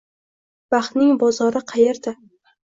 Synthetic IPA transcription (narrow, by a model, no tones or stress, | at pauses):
b̥ɑχt̪nɪŋbɒzɒɾɪqʰɑjeɾd̪a